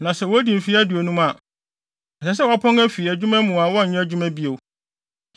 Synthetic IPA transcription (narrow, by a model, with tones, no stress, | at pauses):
nã˨sɛ˨wɔ˦æ˦di˨m̩˨fi˦æ˦du˨e˨nũ˦ma˨ | ɛ˨sɛ˨s̬ɛ˦wa˨pʰɔ̃˦ŋæ˦fi˨æ˨d͡ʑᶣu˦mɛ̃˦mũ˨a˨wɔ˦n̩˨ɲɛ̃˦æ˦d͡ʑᶣu˦mɛ̃˦bi˦o˨˦